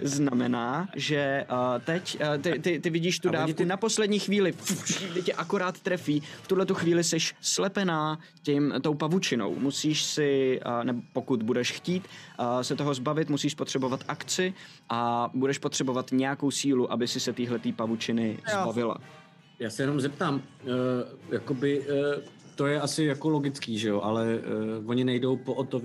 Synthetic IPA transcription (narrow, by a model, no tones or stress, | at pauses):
znamɛnaːʒɛt̪ɛct̪ɪt̪ɪt̪ɪvɪɟiːʃt̪udaːfkunapo̞slɛdɲiːxviːlɪt̪ɪcɛʔakoɾaːt̪t̪ɾɛfiːft̪udlɛt̪uxviːlɪsɛʃslɛpɛnaː | cɛmt̪o̞wpavut͡ʃɪno̞̰wmusiːʃsɪnɛbopo̞kut̪budɛʃxciːt̪sɛt̪oɦo̞zbavɪt̪musiːʃpot̪r̝̥ɛbo̞vat̪ʔakt͡sɪ | ʔabudɛʃpot̪r̥ɛbo̞vat̪ɲɛjako̞wsiːluʔabɪsɪsɛt̪iːɦlɛt̪iːpavut͡ʃɪnɪzbavɪla̰ | jaːsɛjɛno̞mzɛp̚t̪aːm | jakobɪ | t̪o̞jɛʔasɪjakoloɡɪt͡skiːʒɛjoʔalɛvoɲɪnɛjdo̞wpoʔot̪ov